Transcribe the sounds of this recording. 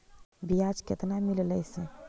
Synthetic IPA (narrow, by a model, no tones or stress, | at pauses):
bijad͡ʒket̪namilləjsə